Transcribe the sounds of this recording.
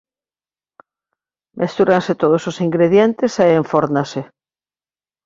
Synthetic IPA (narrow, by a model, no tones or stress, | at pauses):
mʔest̪uɾanset̪oð̞ososiŋɡɾeðjent̪esaeɱfoɾnase